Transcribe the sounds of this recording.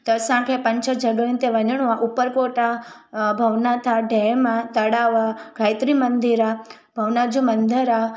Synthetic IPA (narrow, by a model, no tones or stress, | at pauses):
t̪əsãkʰẽpəɲt͡ʃʰəd͡ʒəɡə̃nt̪eʋəɲəɳ̃uãʔupəɾpoʈa | bʱəʋnat̪ʰaɖʱemãt̪əɽaʋaɡʱaːjt̪ɾimənd̪iɾa | bʱəʋnad͡ʒũmənd̪ʱəɾa